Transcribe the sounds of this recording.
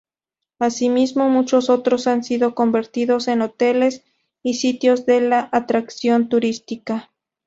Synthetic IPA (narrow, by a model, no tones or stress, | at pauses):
asimizmo̞mut͡ʃo̞so̞t̪ɾosansiðoko̞mbe̞ɾt̪iðo̞se̞not̪e̞le̞s | isit̪jozðe̞laʔat̪ɾaksjo̞nt̪uɾist̪ika